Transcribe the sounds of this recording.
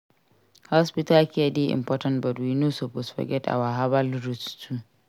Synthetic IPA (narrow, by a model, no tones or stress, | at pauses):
hɔspɪtalkʲediʔɪ̰mpɔtɐntbɐdwinusobʊsfɔ̰ɡʲɛtʔa̰waɦabalɾʊstʰu